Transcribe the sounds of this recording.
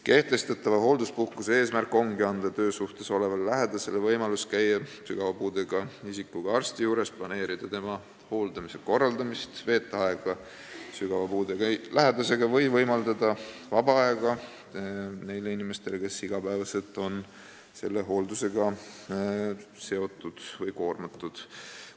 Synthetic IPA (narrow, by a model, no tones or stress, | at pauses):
ke̞ht̪e̞st̪ɑt̪ːˑɑvɑɦo̞ːld̪uspuhkusee̞ːsmærkːˑo̞ŋɡiɑnd̪̥ɑt̪ø̞ːsuht̪e̞so̞le̞vɑlːæɦed̪̥ɑselevɤjmɑluskæjːɑsyɡ̥ɑvɑpuːd̪̥e̞ɡ̥ɑisikːˑuɡ̥ɑɑrst̪ijuːɾe̞splɑne̞ːɾid̪̥ɑt̪e̞mɑ | ho̞ːld̪̥ɑmise̞ko̞rːɑld̪ɑmist̪ve̞ːt̪ˑːeɑeɡ̥ɑ | syɡ̥ɑvɑpuːd̪eɡɑlæɦe̞d̪ɑse̞ɡ̥ɑvɤjvɤjmɑld̪ɑd̪̥ɑvɑbɑɑeɡ̥ɑ | ne̞jleinime̞st̪e̞leke̞siɡ̥ɑpævɑse̞lt̪ːˑo̞n | se̞lːe̞ɦo̞ːld̪use̞ɡ̥ɑ | se̞o̞t̪ːˑud̪̥vɤjko̞ːrmɑt̪ːˑud̪̥